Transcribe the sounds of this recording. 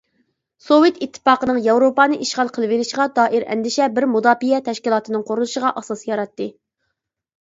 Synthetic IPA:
sowet̪it̪ʰːɨ̥pɑːqənɨŋjɑwɾopɑːnɨʔiʃʁɑlˠqʰəlˠɨveɾɪʃʁɑd̪ɑːʔɪɾɛ̰nd̪ɪʃɛbɪɾmud̪ɑːpijɛt̪ʰɛʃkʲilˠɑːt̪ɨnɨŋqʰoɾunuʃəʁɑʔɑsɑsjɑɾɑt̪ːɨ

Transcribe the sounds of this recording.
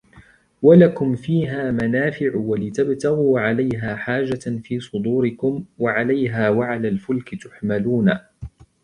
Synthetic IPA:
walakʊmfiːɦaːmanaːfɪʕʊwalɪt̪abt̪aɣuːʕalajɦaːħaːd͡ʒafiːsˤʊd̪uːɾɪkʊmwaʕalajɦaːwaʕalaːlfʊlkɪt̪ʊħmaluːna

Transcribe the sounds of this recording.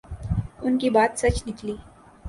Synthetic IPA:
ʊnkibaːt̪sɐt͡ʃnɪkliː

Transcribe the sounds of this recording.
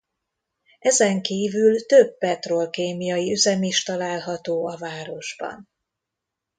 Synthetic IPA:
ɛzɛŋkiːvylt̪ø̞bːɛt̪ro̞lkeːmijɒjiyzɛmiʃt̪ɒlaːlɦɒt̪oːɒvaːɾo̞ʒbɒ̰n

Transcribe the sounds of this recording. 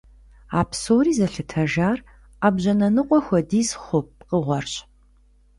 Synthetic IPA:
aːpsoːɾiːzɐɬɨtʰɐʒaːr | aːbʑɐnɐnɨqʷʼɔxʷɔdiːsχʷʊp̚qəʁʷɔrɕʼ

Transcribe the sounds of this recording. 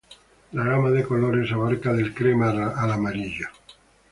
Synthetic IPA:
laɣamaðekoloɾesaβaɾkaðelkɾemaːlamaɾiʎa

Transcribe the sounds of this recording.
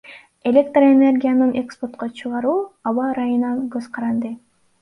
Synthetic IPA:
e̞lʲe̞k̚t̪rene̞rɡʲijanɯnʔeksport̪̚qot͡ʃʰɯʁɑɾuːɑβɑɾɑjɯnɑnɡɵzqɑɾɑnd̪ɯ

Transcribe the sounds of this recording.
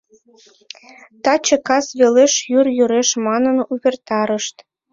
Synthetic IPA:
t̪ɑt͡ɕĕkɑsβeleʃjyrjyɾeʃmɑnənuβʲert̪ɑɾəʃt̪

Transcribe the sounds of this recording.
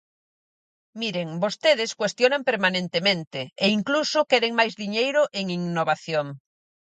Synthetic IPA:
miɾeŋbost̪eðɪskwest̪jonampeɾmanẽnt̪emẽnt̪eeiŋklusʊkɛɾeŋmajzðiɲejɾʊʔeŋiŋnoβaθjoŋ

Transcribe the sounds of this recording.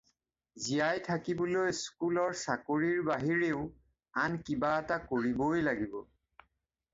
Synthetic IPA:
zijajtʰakibɔlojskulɔɹsakoɹiɹbaɦiɹeʊ | ankibaɛtakoɹibojlaɡibɔ

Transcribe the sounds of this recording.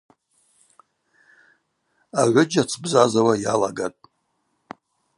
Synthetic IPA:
aʕʷʊd͡ʒat͡sʰbzazawajalaɡatʼ

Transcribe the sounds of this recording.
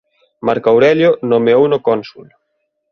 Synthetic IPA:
maɾkawɾɛʎjonomeownokɔnsul

